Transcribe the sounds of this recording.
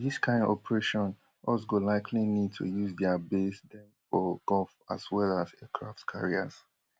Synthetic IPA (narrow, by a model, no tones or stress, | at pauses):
ðiskʰãɪ̃ndɔ̰pəɹeʃɔ̃n | ʔɔsɡolaɪkʰlinid̚tʰṵjuzdɛabesdɛ̃mfɔɡ̥ɔlfa̰swɛlazɛkʰɹa̰ftkʰa̰ɹia̰s